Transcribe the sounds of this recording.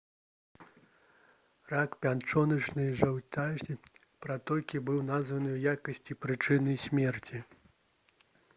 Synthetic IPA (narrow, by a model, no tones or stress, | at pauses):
rakpʲant͡ʂɔnɐt͡ʂnɨʐɐwt̪ʲaʐʲi | pɾat̪ɔlʲkʲibɨwnazvɐnɨwjakɐsʲt͡sʲipɾɨt͡ʂɨnɨsʲmʲɛrt͡sʲi